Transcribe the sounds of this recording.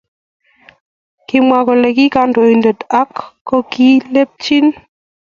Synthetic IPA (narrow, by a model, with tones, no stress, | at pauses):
kɪ˨mwa˨kɔ˨le˨ki˦ka˨ndo˨i˨ndə˨ta˦kːɔ˦ki˦le˦p̚t͡ʃi˦n